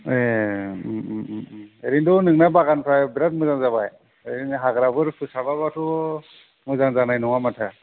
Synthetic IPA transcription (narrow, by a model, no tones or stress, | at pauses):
e | eɾindɔnɯŋnabaɡanpʰɾajbiɾat̚mɯzaŋzabaj | eɾinɦaɡɾabɯɾpʰɯsabaβatʰɔ | mɯzaŋzanajnɔŋamatʰa